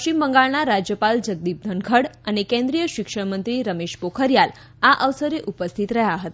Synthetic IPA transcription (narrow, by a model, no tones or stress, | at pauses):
ət͡ʃimbəŋɡaɭnaɾad͡ʒjəpald͡ʒəɡ̚d̪ip̚d̪ʱəŋkʰəɽənekɛ̃nd̪ɾijəʃɪkʃəɽmənt̪ɾiɾəmeʃpokʰəɾjal | aʔəʋsəɾeʔupəst̪ʰit̪ɾəɦjaɦət̪